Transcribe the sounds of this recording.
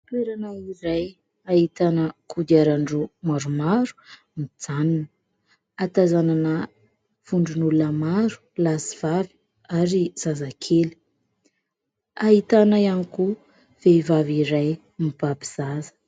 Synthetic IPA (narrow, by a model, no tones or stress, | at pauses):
t̪weɾanaiɾaj | aɦit̪anəkʰud̪iaɾaɳɖ͡ʐumaɾumaɾu̥ | mid͡zaninə | at̪azananə | v̥uɳɖ͡ʐunulunəmaɾu̥lasiv̥avi̥ | aɾiz̥azakʰeli̥ | aɦit̪anaianiku | v̥evaviɾaj | mib̥abiz̥azə̥